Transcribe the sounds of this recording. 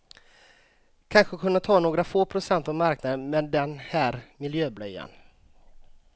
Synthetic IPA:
kʰanɧəkʰɵnːat̪ʰɑːnoːɡɾafoːpʰɾʊsɛnt̪avmaɾknad̪ənmɛnd̪ɛnhæːɾmɪljøːblœja̰n

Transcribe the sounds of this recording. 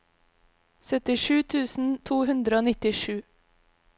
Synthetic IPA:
sœt̪ɪʃʉːt̪ʰʉːsn̩t̪ʰuːhʉnd̪ɾəoːnɪt̪ɪʃʉː

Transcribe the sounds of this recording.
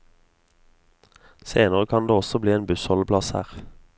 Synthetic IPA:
seːnəʁkʰɑnd̪eːɔsɔbliːeːnbʉshɔlblɑshæ̰ːʁ

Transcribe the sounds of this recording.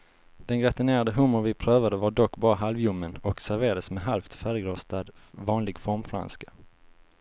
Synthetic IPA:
d̪̥ɛnɡɾɛt̪ɪneːɾad̪əɦʊmʊvɪpʰɾøːvad̪əvaɖɔkːbɑːɾaɦalvjɵmːənɔksæɾveːɾad̪əsmɛɦalft̪fæːɾəɡɾoːst̪ad̪vɑːnlɪɡfɔɾmfɾa̰nskḁ

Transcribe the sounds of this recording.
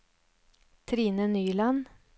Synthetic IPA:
t̪ʰɾiːnənyːlɑn

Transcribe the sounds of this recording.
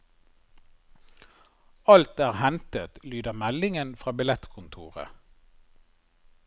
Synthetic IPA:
ɑlt̪æːʁhɛnt̪ət̪lyːd̪əʁmælɪŋənfʁɑːbɪlɛt̪kʰʊnt̪ʰṵːʁə̰

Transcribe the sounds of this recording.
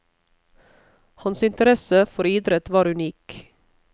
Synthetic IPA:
hɑnsɪnt̪əɾɛsəfɔɾiːd̪ɾət̪ʋɑːɾʉniːk

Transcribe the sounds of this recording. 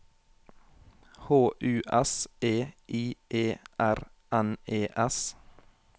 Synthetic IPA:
hoːʔʉːʔɛsʔeːʔiːʔeːʔæɾ | æneːʔɛs

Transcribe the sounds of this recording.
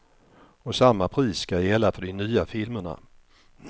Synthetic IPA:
ɔsamːapʰɾiːsːkajɛlːafœɖɪnyːafɪlməɳa̰

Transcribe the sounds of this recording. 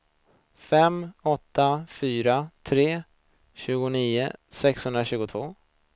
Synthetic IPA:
fɛmɔt̪ːafyːɾat̪ʰɾeː | ɕʉ̟ːɡʊniːʊsɛkshɵnd̪ɾaɕʉ̟ːɡʊt̪ʰvoː

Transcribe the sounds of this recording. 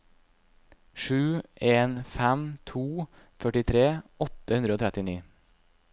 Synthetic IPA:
ʃʉːʔeːnfæmt̪ʰuː | fœʈɪt̪ʰɾeːɔt̪əhʉnd̪ɾoːt̪ʰɾɛt̪ɪniː

